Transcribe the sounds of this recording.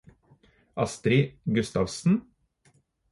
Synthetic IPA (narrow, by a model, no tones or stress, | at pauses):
ʔɑst̪ɾɪɡʉst̪ɑʋsn̩